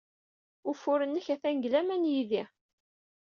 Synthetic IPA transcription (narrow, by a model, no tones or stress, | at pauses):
ʊfʊɾənːəçæθæŋɡlæmænjiði